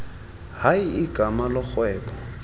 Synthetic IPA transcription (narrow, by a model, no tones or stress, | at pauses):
haiɪɡ̥ʱʼamalɔk͡xwɛːbɔ